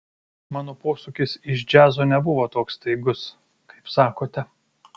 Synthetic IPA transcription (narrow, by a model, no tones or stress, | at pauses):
mɑːnoːpoːsukʲɪsɪʃd͡ʒʲæːzoːnʲɛbʊʋoːt̪oːkst̪ɐɪɡʊs | kɐɪpsɑːkoːt̪ʲɛ